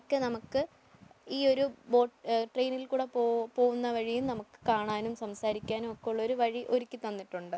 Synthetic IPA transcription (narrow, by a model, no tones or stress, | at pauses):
kːɨnɐmukːɨ | iːo̞ɾubo̞ːʈʈrejnilkuːɽepoːpo̞ːɣunːɐʋɐɻijumnɐmukːɨ̥kaːɳaːnumsɐmsaːɾikʲːaːnumokːeɭːo̞ɾuʋɐɻiʔo̞ɾikʲːɨt̪ɐnːiʈːuɳɖɨ